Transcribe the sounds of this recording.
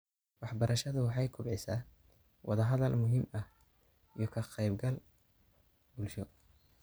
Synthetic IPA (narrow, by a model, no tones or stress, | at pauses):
wɑħbɐɾɐʃɐðʊwɑħɑjkʰʊbʕɪsaː | wɑ̰ðɐɦɐðɐlmʊɦimɐh | ijɞkʰɐqɛjbɡɐl | bʊlʃɔ